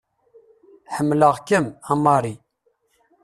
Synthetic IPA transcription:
ħəmːləʁkəmɑmɑɾˤi

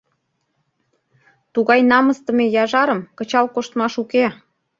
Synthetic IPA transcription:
t̪uɣɑjnɑməst̪ə̆mejɑʒɑɾə̆mkə̆t͡ɕɑlkoʃt̪mɑʃuke

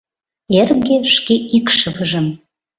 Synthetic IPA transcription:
erɡeʃkeikʃəβəʒəm

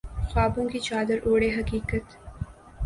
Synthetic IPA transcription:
xɑːbuŋɡit͡ʃɑːd̪əɾʔoːɽeɦɐkiːkət̪

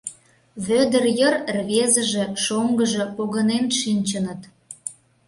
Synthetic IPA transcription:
βød̪ərjə̆rrβezə̆ʒĕʃoŋɡəʒĕpoɣənenʃinʲt͡ɕənə̆t̪

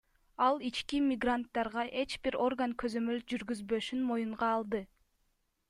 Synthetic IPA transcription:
ɑlˠit͡ʃkimʲɪɡrant̪ːɑɾʁɑʔe̞t͡ʃbiɾo̞rɡaŋkʰøzø̞mø̞ld͡ʒyɾɡyzbø̞ʃynmo̞juɴʁɑːlˠd̪ɯ

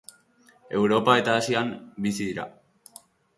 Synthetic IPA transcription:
e̞wɾo̞pae̞t̪aːsiambisiðiɾa̰

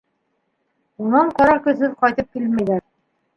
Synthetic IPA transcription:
unɑɴqɒɾɑkɵ̆ðɦɘðqɒjt̪ɤp̚kilmæjd̪æ

